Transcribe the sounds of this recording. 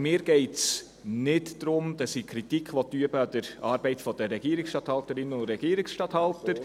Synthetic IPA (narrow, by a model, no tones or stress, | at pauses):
mɪːɾɡ̥ɛɪts | nɪtd̥ɾʊmd̥ɑsikʰɾitikʰχʋɔt̪yəbəɑd̥əɾɑːɾbɛɪtfɔd̥əɾɛɡ̥iəɾiksʃtɑt̪hɑltəɾɪnːəʊntɾɛɡ̥iːɾiksʃtɑthɑltəɾ